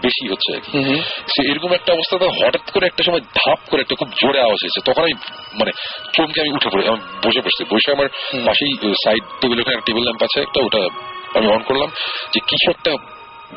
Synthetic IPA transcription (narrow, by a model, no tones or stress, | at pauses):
beʃiɦotːɕʰea̰kiseejɾɔkomɛk̚ʈaɔbost̪ʰat̪aɦɔʈat̪koɾeɛk̚ʈaʃɔmɔed̪ʱap̚koɾeɛk̚ʈakʰubd͡ʑoɽeaoad͡ʑejet͡ɕʰet̪ɔkʰonami | manet͡ɕomkeamiuʈʰepoɾamibojʃepoɾest̪ibojʃaamaɾbaʃejsajɖ̚ʈebelokʰneɛkʈaʈebelːɛmpat͡ɕʰeɛ̰k̚ʈaoʈaa̰miɔnkoɾlamd͡ʑekit͡ɕʰuɛk̚ʈa